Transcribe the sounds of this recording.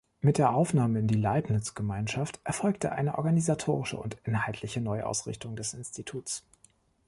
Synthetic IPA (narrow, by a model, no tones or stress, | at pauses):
mɪt̚d̥eːɐʔaʊfnaːməɪndiːlaɪpnɪt͡sɡ̥əmaɪnʃaftʔɛɐfɔlktəʔa̰ɪnəʔɔ̰ɐɡanizatʰoːʁɪʃə̰ʊ̰ntʔɪnɦaltʰlɪçənɔʏʔa̰ʊsʁ̥ɪ̰çtʰʊŋdɛsɪnstʰitʰuːt͡s